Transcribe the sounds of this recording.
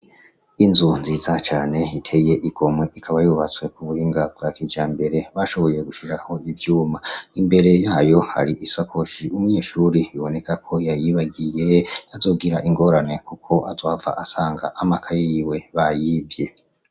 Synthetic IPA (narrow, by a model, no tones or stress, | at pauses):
inzunziːzat͡ʃaːne̞itʰe̞je̞ʔiɡ̥o̞mwe̞ʔikʰaβajuβat͡swe̞kuβuhiːŋɡab̚ɡaːkid͡ʒaːmbe̞ɾe̞βaʃo̞βo̞je̞ɡuʃiɾaho̞ivjuːmaimbe̞ɾe̞jaːjo̞ha̰ɾiʔisakʰo̞ʃiʔumuɲeːʃuːɾiiβo̞ne̞kʰakʰo̞jajiβaɡije̞azo̞ɡiɾaʔiŋɡo̞ːɾane̞kukʰo̞ʔazwaːva̰ʔasaːŋɡa̰ʔamakʰajiwe̞βajiːbje̞